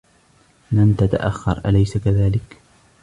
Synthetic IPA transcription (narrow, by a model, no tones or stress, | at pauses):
lamt̪at̪a̰ʔaxːɑ̰ɾˤʔa̰lajsakaðaːlɪk